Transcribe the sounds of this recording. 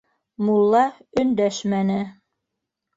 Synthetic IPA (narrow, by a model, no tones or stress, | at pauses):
mulˠːɑɵ̆nd̪æʃmænɘ